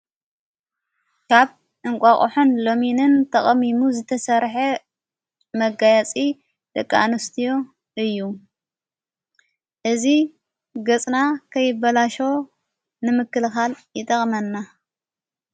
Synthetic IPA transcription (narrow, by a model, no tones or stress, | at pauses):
kʰaβ | ʔɨŋkʷʼakʼoħunlo̞minɨnt̪ʰɐχʼɐmimuzɨt̪ʰɐsɐɾħe | mɐɡajat͡sʼi | d̪̥ɐkʼːanɨst̪ʰijo̞ | ʔɨjːu | ʔɨzi | ɡɐt͡sʼnakʰɐjːɪbːɐlaʃo | nɨmɨkːɨlxaljɪt̪ʼɐχʼmɐnːa